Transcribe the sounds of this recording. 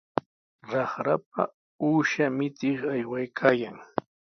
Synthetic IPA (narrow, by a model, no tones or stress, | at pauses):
ɾɑχɾap̚a̰ | uːʃamɪt̪ɪχajwajkʰaːjaŋ